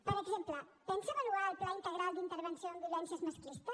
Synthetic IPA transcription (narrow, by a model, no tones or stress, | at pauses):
pəɾəɡzemplə | t̪emsəβaluɾalplaint̪əɣɾalˠd̪int̪əɾβənsijond̪ilɛnsəzməskɾist̪ə